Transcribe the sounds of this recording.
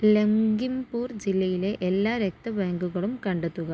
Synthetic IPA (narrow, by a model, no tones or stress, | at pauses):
leŋɡimbuːɾd͡ʑilːɐjileʔɛlːaːɾɛk̚t̪ɐbɐjɐŋɡɯɣɐɭɯmkɐɳɖɐt̪ːuɣɐ